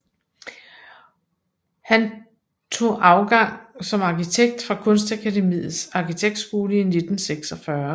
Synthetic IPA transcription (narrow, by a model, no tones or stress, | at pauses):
hæn | t͡sʰo̝̰ːʔɑ̈ʊɡ̥ɑ̈ŋ̰sɒ̽mɑ̈kit͡sʰeɡ̥̚d̥fʁɑ̈kʰɔ̽nsd̥ækʰædemḭːð̩ˠsɑ̈kit͡sʰeɡ̥̚d̥sɡ̥o̝ːləine̝d̥n̩seɡ̥sɒfɶɐ